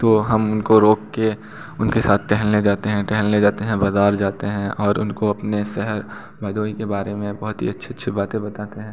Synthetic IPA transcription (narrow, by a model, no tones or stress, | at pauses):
t̪oːɦɐmʊnkoɾoːkːe | ʊnkesaːt̪ʰʈɛɦəlned͡ʒaːt̪eɦɛ̃ʈɛɦlled͡ʒaːt̪eɦɛ̃bɐzaːɾd͡ʒaːt̪eɦɛ̃ʔɔːɾʊ̰nkoɐpnesɛɦəɾ | bʱɐd̪ʱoːikebaːɾemẽbɐɦʊt̪ɦḭɐtːʃʰiətːʃʰibaːt̪ẽbɐt̪aːt̪eɦɛ̃ː